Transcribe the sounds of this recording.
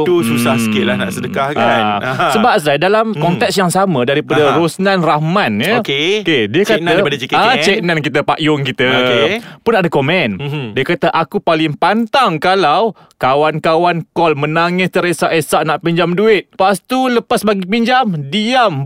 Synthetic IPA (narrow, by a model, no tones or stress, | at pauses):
t̪ususahsəkɪʔlahna̰ʔsədəkahkasəbap̚s̬ajdalamkɔnt̪ɛk̚sjaŋsamə̃daɾipadaɾosnãnrahmanjəkekediəkanaadaikat͡ʃeknankit̪əpaʔjʊŋkit̪ə | pʊnadakomɛndiəkat̪əʔakupalɪŋpant̪aŋkalaw | kawankawankɔlmə̃naŋɪst̪əɾesaʔesaʔnaʔpiɲd͡ʒamduɪt̪̚past̪uləpasbaɡipiɲd͡ʒamdiam